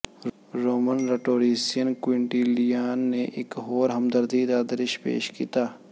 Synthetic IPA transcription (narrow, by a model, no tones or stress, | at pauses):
ɾoːmənɾɐʈoːɾiːsijənkwɪɳʈiːlijaːnːeʔɪkɦoːɾɦɐmd̪əɾd̪id̪aːd̪əɾɪʃpḛːʃkḭːt̪aː